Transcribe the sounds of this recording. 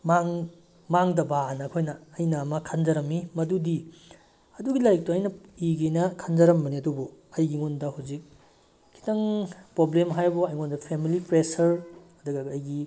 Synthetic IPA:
maŋ | maŋdɐbanɐkʰojnɐːjnɐːmɐkʰand͡ʒɐɾɐmːimɐdudi | ɐduɡilajk̚tuɐjnɐiɡenɐkʰand͡ʒɐɾɐmbɐniɐdubɔɐjɡiŋondɐhawzik̚ | kʰːi̥tɐŋpɾoblemɦajbɔɐjŋondɐpʰemilipɾesɐɾɐduɡɐɐjɡi

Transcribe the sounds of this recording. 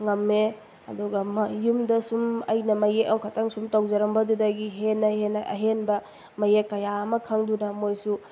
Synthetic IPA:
ŋɐmːe | ɐduɡɐmjumdɐsumɐjnɐmɐjeʔɐwkʰataŋsumtawzɐɾɐmbɐdudɐɡiɦenːɐhenɐʔɐ̰ɦenbɐ | mɐjekːɐjamɐkʰaŋdunɐmojsu

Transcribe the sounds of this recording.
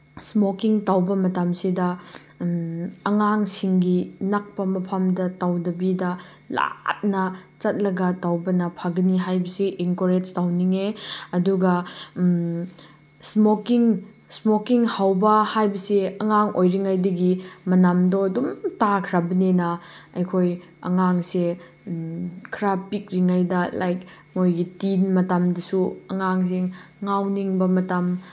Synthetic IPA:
smokiŋtawbɐmɐtamsidɐ | ɐŋaŋsiŋɡinak̚pɐmɐpʰamdɐtawdɐbidɐ | la̰t̚nɐt͡ʃɐt̚lɐɡɐtawbɐnɐpʰaɡɐniɦajbɐsiʔiŋkoɾed͡ʒtawniŋeɐduɡɐ | smokiŋ | smokiŋhawbɐhajbɐseɐŋaŋojɾiŋajdɐɡimɐnamdɔɐdumtakʰɾabɐnenɐɐjkʰoj | ɐ̰ŋaŋse | kʰɾapik̚ɾiŋajdɐla̰jk | mojɡitinmɐtamdɐsuɐŋaŋseŋawniŋbɐmɐtam

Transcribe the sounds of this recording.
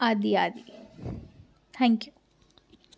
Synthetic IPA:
ad̪iaːd̪i | t̪ʰɛ̃ŋkju

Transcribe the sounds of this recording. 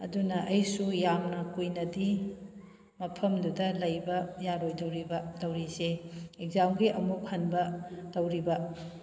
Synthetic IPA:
ɐdunɐʔɐjsujamnɐkujnɐdi | mɐpʰɐmdudɐlɐjbɐjaɾojdɐwɾibɐdɐwɾiseek̚zawɡiʔɐmuk̚hɐnbɐdɐwɾibɐ

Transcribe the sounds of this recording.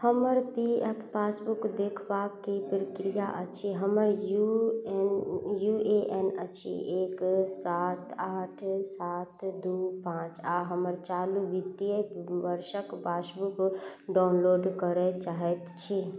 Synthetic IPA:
həməɾpiɛpʰpasbukd̪ekʰbakːipɾəkɾijaʔət͡ʃʰiɦəməɾju | jueʔɛnət͡ʃʰḭeːksat̪aːʈʰsaːt̪d̪upãːt͡ʃaɦəməɾt͡ʃaluʋid̪ijebəɾʃəkbasbukɖaʊnloɖkəɾɛt͡ʃaɦɛt̪t͡ʃʰi

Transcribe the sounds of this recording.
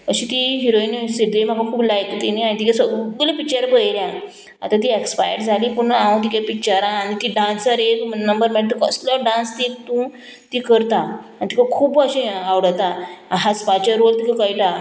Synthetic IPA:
kəɕĩt̪iɦiɾoinsiʈd̪em̤akakʰuːblajkt̪inianit̪ikasəɡɡlepik̚t͡ɕəɾbəjɾjã | a̰t̪at̪̬iekspajə̰ɾd͡zʱaliːpuɳaãt̪̬ikapikt͡ɕəɾãːnit̪iɖãnsəɾeknəmbəɾmɛɽt̪əkə̰slɔɖãnst̪it̪ũ | t̪ikəɾt̪aanit̪ikakʰuːbəɕĩawɽət̪aaɦaspat͡ɕaɾolt̪ikakaiʈa

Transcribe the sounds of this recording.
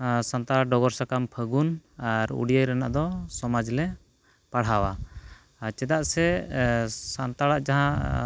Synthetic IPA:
sant̪aaɖɔɡɔɾsakampʰəɡunaɾṵɽijəjɾɛna̰ʔd̪ɔsɔmad͡ʒlɛ | paɽ̤ɦawa | t͡ʃɛd̪aʔsɛ | sant̪aɽaʔd͡ʒaɦã

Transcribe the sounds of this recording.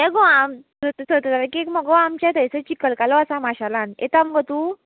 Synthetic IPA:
ɛɡɔamsət̪sət̪ət̪aɾakiekməɡɔamt͡ɕjad̪əjsət͡ɕikəlkalɔasamaɕalãnḛt̪amɡət̪u

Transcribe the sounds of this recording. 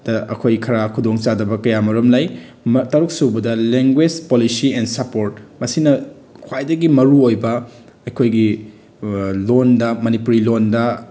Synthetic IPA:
d̥ɐʔɐ̰kʰojkʰɐɾakʰudoŋt͡ʃadɐbɐkɐjamɐɾɐmlaj | mtɐɾuk̚subɐdɐleŋɡwed͡ʒpolisiensɐpoɾt̚mɐsinɐ | kʰwajdɐɡimɐɾuojbɐ | ɐjkʰojɡi | londɐmɐnipuɾilondɐ

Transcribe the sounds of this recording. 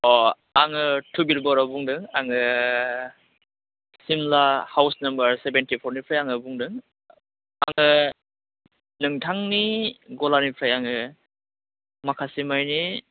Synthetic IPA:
ɔ | aŋɯtʰubilbɔɾabuŋdɯŋaŋɯ | simlahawsnɐmbɐɾsebentipʰɔɾnipʰɾajaŋɯbuŋdɯŋ | aŋɯ | nɯŋtʰaŋniɡɔlanipʰɾajaŋɯ | makʰasimajni

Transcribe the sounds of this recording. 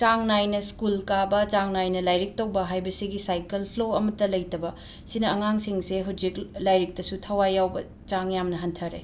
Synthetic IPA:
t͡ʃaŋnajnɐskulkabɐt͡ʃaŋnajnɐlajɾik̚tɐwbɐɦajbɐsiɡisajkelpʰloɐmɐtːɐlɐjtɐbɐ | sinɐɐŋaŋsiŋseɦud͡ʒiklajɾik̚tɐsutʰɐwajːawbɐ | t͡ʃaŋjamnɐɦɐntʰɐɾḛ

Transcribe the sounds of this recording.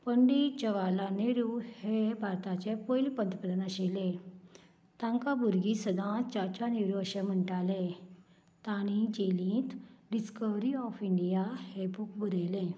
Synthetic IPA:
pəɳɖid͡ʑəʋalaneɾuhebʱaɾt̪at͡ɕepojlipənt̪pəd̪ənəɕelẽ | t̪ãŋkabʱuɾɡisəd̪ʱãt͡ɕat͡ɕaneɾuəɕem̤əɳʈale | t̪aɽ̃id͡ʑelĩːt̪ɖiskəʋɾiɔfiɳɖijahebukbəd̪əjlẽ

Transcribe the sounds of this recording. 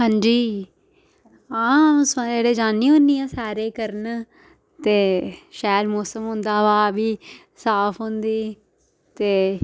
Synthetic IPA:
ɦãːɲd͡ʒiː | aːmsãd͡ʒeːɽeːd͡ʒaːniːɦʊ̃nd̪iːãːsaːɾeːkəɾən | t̪eːʃaːlmoːsəmɦʊ̃nd̪aːʋaːbiː | saːpʰɦõnd̪iː | t̪eː

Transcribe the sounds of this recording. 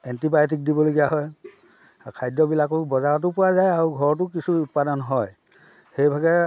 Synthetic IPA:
ɛntipajt̬ik̚dibɔloɡijaɦɔj | kʰajdɔbilakʊbɔzaɹɔt̬ʊpʊwazajaɹuɡʱɔɹɔt̬ʊkisuːt̚padɔnɦɔj | hejbʱaɡɛ

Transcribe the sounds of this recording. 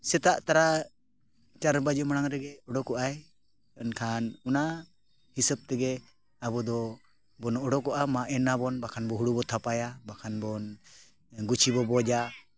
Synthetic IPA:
sɛt̪aʔt̪aɾa | t͡ʃaɾbad͡ʒɔmanaŋɾɛɡɛɔɖɔkɔʔaj | ənkʰanɔna | hisəb̚t̪ɛɡɛ | abɔd̪ɔ | bɔnɔɔɖɔkɔʔamaʔɛnabɔnbakʰanbɔɦuɽubɔt̪ʰapajabakʰanbɔn | ɡut͡ʃʰibɔbɔd͡ʒa

